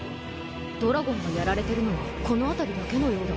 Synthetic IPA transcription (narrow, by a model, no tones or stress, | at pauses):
d̪̥o̞ɾaɡõ̞ŋɡajaɾaɾe̞t̪e̞ɾɯ̟no̞βako̞no̞at̪aɾʲid̪ake̞no̞jo̞ːd̪a